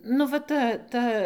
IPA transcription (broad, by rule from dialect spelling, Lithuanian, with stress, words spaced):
nʊ ˈʋɐ ˈtɐ ˈtɐ